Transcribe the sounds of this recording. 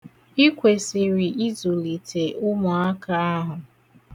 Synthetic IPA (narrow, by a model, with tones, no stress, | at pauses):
i˦kʷe˨sɪ˨ɾi˨ʔi˦zo˨li˨tʰe˨ʔʊ˦mʊ˨a˦ka˦a˦ɦʊ˨